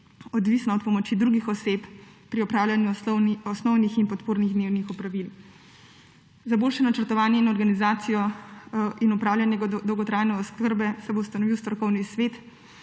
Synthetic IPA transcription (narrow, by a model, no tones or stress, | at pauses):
ɔd̪ʋisnɔɔt̪pɔmɔt͡ʃid̪ɾuɡixɔsep | pɾiɔpɾaːwljanjuɔsnɔwnixinpɔt̪poːɾniɣd̪newnixupɾaʋil | zaboːlʃɛnat͡ʃəɾt̪ɔʋaːnjɛinɔɾɡanizaːt̪sijɔ | ʔinupɾaːwljanjɛɡd̪ɔwɡɔt̪ɾaːjnɛɔskəɾbɛsɛbowst̪anɔʋiwst̪ɾɔkɔwnisʋet̪